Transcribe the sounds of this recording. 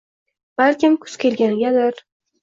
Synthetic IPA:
b̥alkʲɪmkʰʊ̥z̥kʲʰe̞lɡʲanɪɡʲad̪ɪɾ

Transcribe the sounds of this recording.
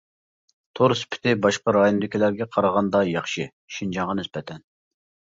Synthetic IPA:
t̪ʰoɾspʰɪ̥t̪ɪbɑʃqɑɾɑjond̪ɪkʲilæɾɡʲɛqʰɑɾɑʁɑnd̪ɑjɑχʃɨ | ʃind͡ʒɑŋʁɑnɪsbɛt̪ʰɛn

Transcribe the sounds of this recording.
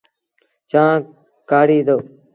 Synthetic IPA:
t͡ʃãː | kaːɽiːd̪oː

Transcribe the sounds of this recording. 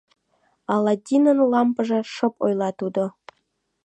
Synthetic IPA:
ɑlˠɑd̪ʲinə̆nlˠɑmpɤ̆ʐĕʂɤ̆po̰jlˠɑt̪ud̪ŏ

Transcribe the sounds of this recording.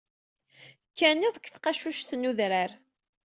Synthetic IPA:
kːæniðˤəkʷθqɑʃuʃθnuðɾaɾ

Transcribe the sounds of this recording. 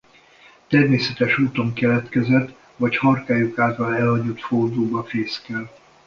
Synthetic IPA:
t̪ɛrmeːsɛt̪ɛʃuːt̪o̞ŋkɛlɛt̪kɛzɛt̪ː | ʋɒchɒrkaːjukaːlt̪ɒlɛlhɒɟot̪ford̪oːbɒfeːskɛl

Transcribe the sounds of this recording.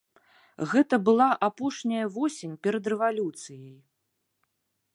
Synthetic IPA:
ɣɛt̪ɐbɨlˠaʔapɔʂnʲɐjɐvɔsʲenʲpʲɛɾɐd̪rɛvalʲut̪sɨjɐj

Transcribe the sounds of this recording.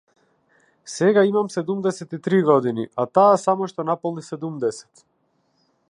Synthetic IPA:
sɛɡaimamsɛd̪umd̪ɛsɛt̪it̪ɾiɡɔd̪inḭʔat̪aːsamɔʃt̪ɔnapɔlˠnisɛd̪umd̪ɛsɛ̥t̪

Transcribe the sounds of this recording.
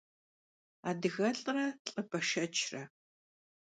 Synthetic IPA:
aːdɨɣɐɬʼrɐɬʼɐbɐʃɐt͡ʃʰrɐ

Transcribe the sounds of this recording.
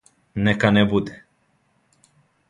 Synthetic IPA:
nekanebud̪e̥

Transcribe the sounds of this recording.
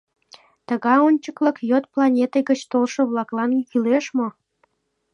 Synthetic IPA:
t̪ə̆ɣɑjonʲt͡ɕəklɤ̆kjot̪̚plɑnʲet̪eɣə̆t͡ɕt̪olʃɤ̆βlɑklɑnykileʃmo

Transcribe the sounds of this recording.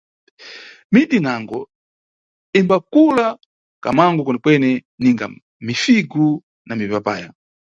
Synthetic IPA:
mitinaŋɡɔ | imbakula | ka̰maŋɡɔkɔnɛkwɛnɛniŋɡa̰ | mifiɡu | namipapa̰ːja

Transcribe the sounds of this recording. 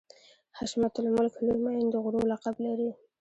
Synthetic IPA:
haʃmat̪ʊlmʊlkʰluɾmajɪnd̪əɣʊɾolaqablaɾi

